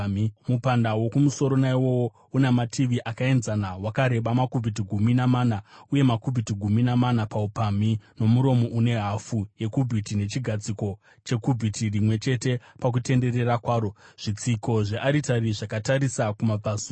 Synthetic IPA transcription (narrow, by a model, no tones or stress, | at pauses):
mupandawo̞kumuso̞ɾo̞naiwo̞wo | unematʰiʋiʔakae̞nzanawakaɾe̞ɓamakubʱit̬iɡʱuminamaːnauje̞makubʱitiɡʱuminamanapaupamino̞muɾo̞mo̞ʔune̞ɦafuje̞kubʱitine̞t͡ʃiɡʱad͡ziko̞ | t͡ʃe̞kubʱitirimwe̞t͡ʃe̞te̞pak̬ute̞nde̞re̞rakwaːɾo̞ʐ̥it͡siko̞ʐeʔaɾitaɾiʐakataɾisakumabaːso